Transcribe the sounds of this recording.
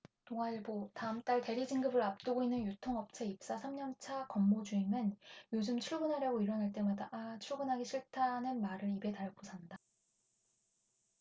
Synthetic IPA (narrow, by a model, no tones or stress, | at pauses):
toŋaiɭbotaɯmt͈aɭte̞ɾid͡ʑiŋɡɯbɯɾap̚t͈ɯɡoinːɯnjutʰoŋʌp̚t͡ɕʰe̞ip̚s͈asʰamɲʌnt͡ɕʰakʌmːod͡ʑuimɯnjod͡ʑɯmt͡ɕʰuɭbunɦaɾjaɡoiɾʌnaɭt͈e̞madat͡ɕʰuɭɡunɦaɡiɕʰiɭtʰaɦnɯnmaɾɯɾibe̞taɭkosʰanda